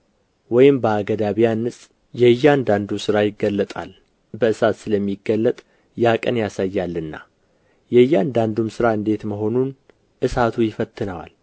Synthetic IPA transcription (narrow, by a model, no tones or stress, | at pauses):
wɔjɪmbəaɡəd̪aβijanːɨsʼ | jɛjːand̪and̪usɨɾajɪɡːəlːət̪ʼa̰l | bəɨsat̪sɨləmːiɡːəlːət̪ʼ | jakʼənjasajːalːɨnːa̰ | jɛjːand̪and̪umsɨɾaɨnd̪e̞t̪məɦo̞nun | ʔɨsat̪ʰujɪfət̪ːɨnəwa̰l